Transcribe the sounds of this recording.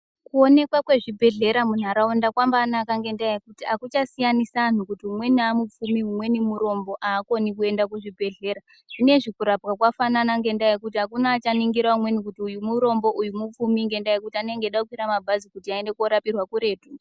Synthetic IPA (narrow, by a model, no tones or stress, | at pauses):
kuo̞ne̞kwakwe̞ʐibʱe̞ɮe̞ɾamun̤aɾaundakwambaːnakaŋɡe̞ndajekutiakut͡ʃasijanisaːn̤ukutiɦumwe̞niamup͡fumiɦumwe̞nimuɾo̞mbo̞ʔaːko̞nikue̞ndakuʐibʱe̞ɮe̞ːɾa | ʐ̥ine̞ʐikuɾapɣakwafananaŋɡe̞ndaekutiɦakunaːt͡ʃaniŋɡiɾaumwe̞nikutiujumuɾo̞mbo̞ʔujumup͡fumiŋɡe̞ndajek̬utianeŋɡeɗakukwiɾamabʱazikutiaende̞kuoɾapirwakuɾe̞ːtu